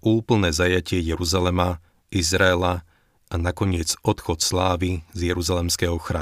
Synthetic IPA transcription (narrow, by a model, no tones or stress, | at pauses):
ʔuːpl̩nɛːzajacɪɛjɛɾuzalɛma | izɾaɛla | anakɔɲɪɛd͡zɔt̪xɔt̪slaːʋizjɛɾuzalɛmskɛɦɔxɾa